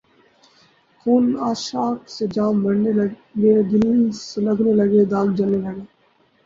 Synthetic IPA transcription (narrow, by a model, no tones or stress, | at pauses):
xuːnaːʃaːksed͡ʒaːmbəɽnel | ɡeːd̪ɪlisləɡneləɡeːd̪aːɡd͡ʒəneləɡeː